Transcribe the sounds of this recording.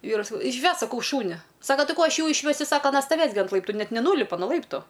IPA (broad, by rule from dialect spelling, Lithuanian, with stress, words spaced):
ˈʋʲiːrʊɪ sɐˈkɐʊ ɪʃʲˈʋʲɛsk sɐˈkɐʊ ˈʃuːnʲɪ ˈsɑːkɐ ˈtɐɪ ˈkoː ˈɐʃ ˈjuː ɪʃʲˈʋʲæːsʲʊ ˈsɑːkɐ ɐˈnɐ stɐˈʋʲeːs ɡʲɪ ɐnt ˈlˠɐɪptʊ ˈnʲɛt nʲɛˈnuːlʲɪpɐ noː ˈlˠɐɪptʊ